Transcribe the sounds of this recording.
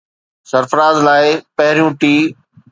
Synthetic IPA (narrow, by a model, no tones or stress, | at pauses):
səɾfɾaːzlaːɪpɐɦɪɾijũːʈiː